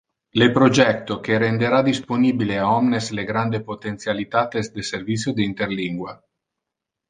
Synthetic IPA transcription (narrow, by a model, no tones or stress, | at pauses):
lepɾod͡ʒɛk̚t̪okeɾend̪eɾad̪isponiːbileaɔmnesleɡɾand̪epot̪ent̪sjalit̪aːt̪esd̪eservit̪sjod̪eint̪erliŋɡwa